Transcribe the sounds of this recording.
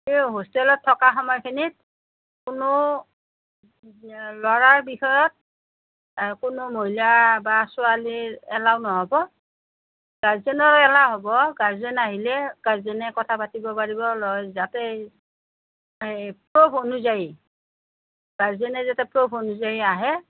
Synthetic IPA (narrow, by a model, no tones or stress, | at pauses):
eɦostɛlɔtʰːɔkaxɔmɔjkʰinit̚ | kʊnʊ | lɔɹaɹbixɔjɔt̚ | kʊnʊmoɦilabasʊaliɹɛlaʊnɔɦɔbɔ | ɡ̥azɛnɔɹɔɛlaɦɔbɔɡazɛnaɦilɛɡ̥azɛnɛkɔtʰapatibɔpaɹibɔlɔjzatɛ | pɹobʰʱonuzaji | ɡ̥azɛnɛzatɛpɹobʰʱonuzajaɦɛ